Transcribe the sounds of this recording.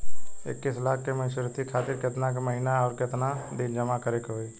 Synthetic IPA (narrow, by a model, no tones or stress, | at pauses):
ɪ̰kːɪslaːkːemɪʃəɾt̪ikʰaːt̪ɪɾkɪt̪nak̬eməɦɪnaɔːɾkɪt̪nad̪ɪnd͡ʒəmakəɾekɦoːiː